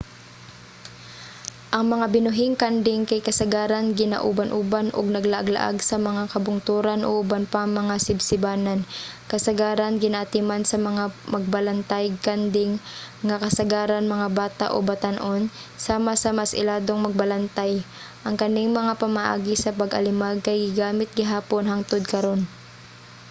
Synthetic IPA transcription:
ʔɐŋmɐŋabɪnʊɦɪŋkand̪ɪŋkɐjkɐsɐɡaːɾanɡɪna̰ʔṵbanʔubanʔo̰ɡ̚nɐɡlaʔɐ̰ɡla̰ʔa̰ɡsɐmɐŋakɐbʊŋt̪uːɾanʔo̰ʔʊbanpaŋmɐŋasɪbsɪbaːnɐnkɐsɐɡaːɾɐnɡɪnaʔat̪ɪmansɐmɐŋamɐɡ̚bɐlɐnt̪ajkand̪ɪŋŋɐkɐsɐɡaːɾanmɐŋabaːt̪a̰ʔo̰bɐt̪anʔon | saːmasɐmasʔɪ̰laːd̪oŋmɐɡ̚bɐlɐnt̪aj | ʔɐŋkɐnɪŋmɐŋapɐmaʔa̰ːɡɪsɐpɐɡʔɐ̰lɪmaɡ̚kɐjɡɪɡaːmɪt̪̚ɡɪɦaːpo̞nɦaŋt̪od̪̚kɐɾo̞n

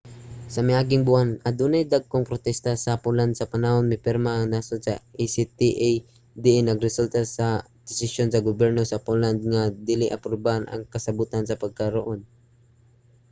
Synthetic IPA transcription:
sɐmajʔaːɡɪŋbʊanɐd̪unajd̪aɡ̚koŋpɾot̪ɛst̪asɐpʊland̪sɐpɐnahonmɪpɛɾmaʔːŋnaːsosɐʔisit̪iʔj | d̪ɪʔnɐɡɾɛsult̪asɐ | d̪̥ɪsɪsjonsɐɡobjɛɾnosɐpoland̪̚ŋad̪ilɪʔɐpɾobahanɐ̰ŋkɐsɐbuːt̪ansɐpɐɡ̚kɐɾoʔon

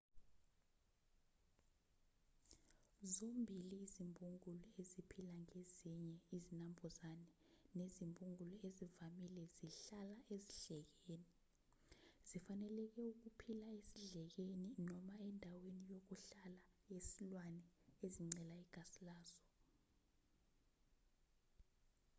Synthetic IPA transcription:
zombʱiliːzimbʱuŋulɔezipʰilaŋeziɲɛizinambʱuzanɛ | nezimbʱʼuŋulɔezivamilɛziɬalaʔeziɮɛk̬eːni | z̥ifanɛlɛk̬ɛuk̬upʰilaesiɮɛk̬eninɔmaɛndʱawenijok̬uɬalajesilwanɛeziŋ͡ǀɛlaɛɡ̥ʱasilaːz̥ɔ

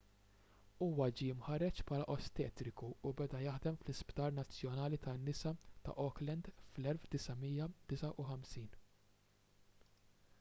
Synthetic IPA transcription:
uːwɐd͡ʒijɪmħɐɾɛt͡ʃpʰɐːlɐʔɔst̪ɛːt̪ɾɪkuːbɛd̪ɐjɐħd̪ɛmflɪspt̪ɐːɾnɐt͡sːjɔnɐːlit̪ɐnːɪsɐt̪ɐ̰ʔɔklɛnd̪flɛlfd̪ɪsɐmijːɐd̪̥ɪsɐʔuħɐmsiːn

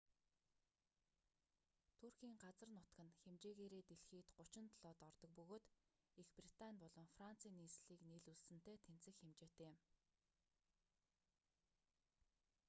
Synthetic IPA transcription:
t̪ʰurxiːŋɢat͡sə̆rnʊt̪ɡə̆nxemt͡ɕeːɣeːɾeːt̪eɮxiːt̪ɢʊt͡ɕɪ̆nt̪ʰɮɔːt̪ɔrt̪ɞ̆k̚pɵɣoːt̪ | ixprit̪anʲpɔɮɞ̆ŋfran̥t͡siːnːiːsɮiːkneɮuɮsɘ̆n̥t̪eːt̪ʰen̥t͡sɘ̆xxemt͡ɕeːt̪eːɪm

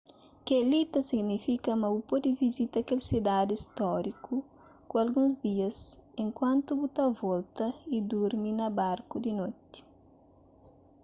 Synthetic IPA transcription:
kelit̪ɐsiɡnifikɐmɐupod̪ivizit̪ɐkelsid̪ad̪iist̪ɔɾiku | kuɐlɡũzd̪iɐsẽŋkwãnt̪ubut̪avɔlt̪ɐid̪uɾminɐbaɾkud̪inot̪i̥

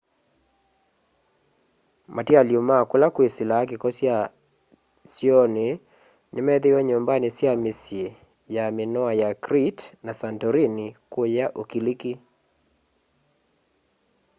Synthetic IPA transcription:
matialjomakolakwesɪlak̬ikɔsja | sjɔne | nɪmɛðewɛɲombanesjamesje | jamenɔajakɾitnasantɔɾinikwojaʔokiliki

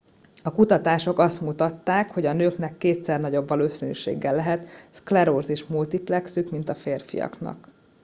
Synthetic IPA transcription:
ɒkut̪ɒt̪aːʃo̞kɒst̪mut̪ɒt̪ːaːkho̞ɟɒnøːkn̪ɛkːeːt̪sɛrnɒɟo̞bːɒloːsøny̰ʃḛːɡːɛlːɛɦɛt̪sklɛɾorzeʃmult̪iplɛksykmin̪t̪ɒfeːrfḭjɒ̰knɒ̰k

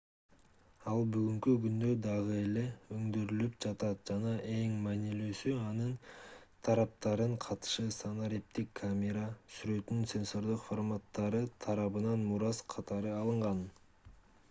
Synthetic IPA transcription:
ɑlˠbyɡyŋkyɡynd̪ø̞d̪ɑʁɯe̞le̞øŋd̪øɾylyp̚d͡ʒɑt̪ɑt̪̚d͡ʒɑnɑʔe̞ŋmæniløsyɑnɯn | t̪ʰɑɾɑp̚t̪ɑɾɯɴqʰɑt̪ɯ̥ʃɯsanoɾʲip̚t̪ikʰːamʲeɾasyɾø̞t̪ynynse̞nso̞rd̪ɯqformat̪ːɑɾɯt̪ʰɑɾɑβɯnɑnmuɾɑzqʰɑt̪ɑɾɯɑlˠɯɴʁɑn

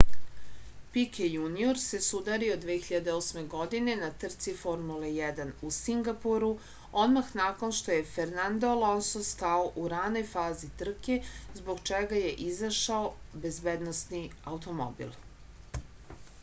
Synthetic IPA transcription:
pikejunioɾse̞sud̪aɾio̞d̪ʋeːxiʎad̪eo̞ːsme̞ɡo̞d̪ine̞nat̪r̩t̪sifo̞ɾmulejɛd̪anusiŋɡapuɾu | o̞d̪maxnako̞nʃt̪o̞je̞feɾnand̪olo̞nsoskaoʔuɾano̞jfaːzit̪r̩ke̞zbo̞ɡt͡ʃeɡaje̞ʔizaʃaobe̞zbeːd̪no̞st̪niaut̪o̞mo̰bḭlˠ

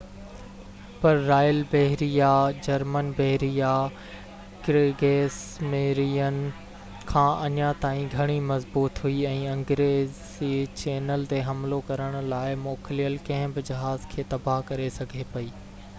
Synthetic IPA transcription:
pɐɾːaːjəlbɐɦɾijad͡ʑɐɾmənbɛɦɾija | kɾeɡeːsmeːɾijənɪ̆ | kʰãːʔɐɲat̪aːĩɡʱɐɽ̃imɐzbuːt̪ɦuiɛ̃ːɐ̃ŋɡɾeːz | it͡ɕeːnəlt̪eɦɐmlokɐɾəɽ̃ʊ̆laːɪmoːklijəlkɐ̃ɦɪ̃bɪd͡ʑɐɦaːzkʰeːt̪ɐbaɦkɐɾesɐɡʱepɐiː

